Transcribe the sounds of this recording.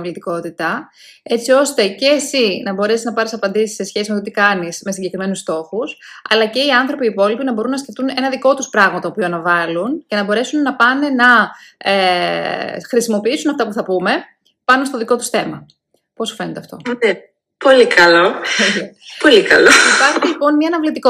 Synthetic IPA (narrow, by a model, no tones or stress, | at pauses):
vlit̪iko̞t̪it̪ɐ | e̞t͡sio̞st̪e̞ce̞ːsinɐbo̞ɾe̞siznɐpɐɾisɐpɐnd̪isi̥se̞sçesimet̪ot̪ikɐnisme̞siɲɟe̞kɾime̞nust̪o̞xusɐlɐce̞iɐnθɾo̞piːpo̞lipinɐbo̞ɾunːɐsce̞ft̪une̞nɐðiko̞t̪uspɾɐɣmɐt̪oːpioɐnɐvɐlunce̞nɐbo̞ɾe̞sunːɐpɐne̞nɐe | xɾisimo̞piisunɐft̪ɐpuθɐpume̞ | pɐnost̪o̞ðiko̞t̪u̥sθe̞mɐ | po̞sofenet̪eɐft̪o̞̰ne | po̞likɐloepolikɐloipɐɾçilipo̞nmɲɐːnɐvlit̪iko